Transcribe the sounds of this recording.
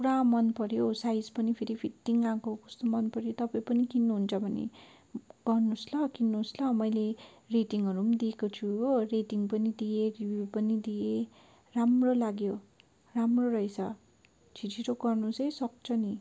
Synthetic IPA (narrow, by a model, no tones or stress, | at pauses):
kuɾãmʌnpʌɾjosajd͡zpʌnipʰeɾipʰiʈːiŋãkokʌst̪omʌnpʌɾjot̪ʌpaĩpʌnikinːuɦunt͡sʰʌbʱʌnḛ | ɡ̥ʌrnuslʌkinːuslʌmʌjle | reʈiŋʌɾumd̪iekot͡sʰuoreʈiŋpʌnid̪ijeribjupʌnid̪ije | ramrolaɡjo | ramroɾʌɦit͡sʰʌ̰ | t͡sʰitʰiɾoɡʌrnusʌjsʌk̚t͡sʰʌni